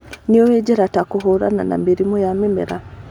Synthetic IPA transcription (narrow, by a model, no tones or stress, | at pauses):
nioweɟeɾatakuɦoɾa̰na̰na̰miɾimojamimḛɾa